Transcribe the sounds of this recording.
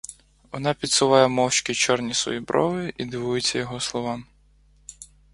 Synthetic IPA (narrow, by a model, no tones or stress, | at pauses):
ʋɔnɑpʲidt̪sʊʋˠɑjɛmɔwt͡ʃkʲit͡ʃɔrnʲisʋɔ̰jibɾɔʋɪʔid̪ɪʋujʊt͡sʲːɐjɔɦɔslˠɔʋɑm